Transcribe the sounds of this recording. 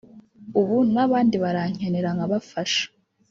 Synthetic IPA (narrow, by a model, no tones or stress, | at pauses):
uβunaβaːndiβaɾaɲ̥eneɾaŋaβafaʃḁ